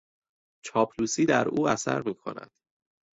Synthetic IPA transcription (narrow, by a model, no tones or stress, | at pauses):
t͡ʃʰɒːpʰluːsiːd̪æɾuːæsæ̰ɾmiːkʰo̞̰næ̰d̪̥